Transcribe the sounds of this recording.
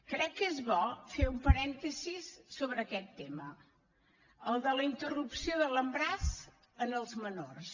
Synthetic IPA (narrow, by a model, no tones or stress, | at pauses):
kɾɛkːezβɔfeumpəɾɛnt̪əzisːoβɾəkɛt̪ːemə | əlˠd̪ələint̪ərupsioðələmbɾas | ənəlˠzmənors